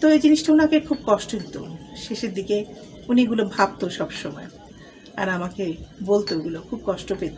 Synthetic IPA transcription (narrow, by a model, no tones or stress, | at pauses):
t̪oed͡ʑiniʃʈaunakekʰub̚kɔʃʈodit̪o̰ʃeʃeɾd̪ike | uniɡulobʱab̚t̪oʃɔbʃɔmɔe | a̰ɾamakebolt̪oɡulokʰub̚kɔʃʈopet̪o